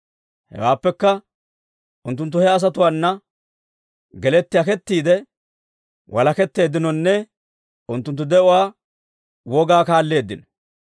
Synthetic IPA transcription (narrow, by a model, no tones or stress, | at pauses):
hɛ̰waːpːɛkːɐ | ʔʊnt̪ːʊnt̪ːʊhɛɐs̬ɐt̪ʊwaːnːɐ | ɡɛlɛt̪ːɪjɐkɛt̪ːiːd̪ɛ | wʔɐlɐkɛt̪ːe̞ːd̪ːɪnɔnːɛ | ʊnt̪ːʊnt̪ːʊd̪ɛʔʊwaː | wɔɡaːkaːlːe̞ːd̪ːɪnɔ̥